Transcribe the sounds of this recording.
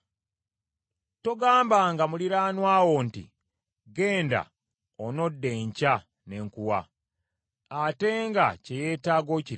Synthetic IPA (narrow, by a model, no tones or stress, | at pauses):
to̞ɡaːmbaŋɡamuliɾaːnwaːwontḭ | ɡe̞ːnda̰ | ono̞dːe̞ɲca | ne̞ŋkuwa | te̞ŋɡa̰ce̞je̞ːtaːɡo̞ci